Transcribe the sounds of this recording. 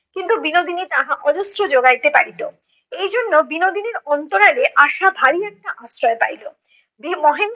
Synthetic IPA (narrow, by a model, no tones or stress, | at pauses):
kint̪ubinod̪ʱinit̪aɦaʔɔd͡ʑosɾod͡ʑoɡait̪epaɾit̪o | ejd͡ʑonːobinod̪ʱineɾɔnt̪oɾaleʔaʃabʱaɾiɛk̚ʈaʔasɾɔepa̰ɾilo | bimɔɦen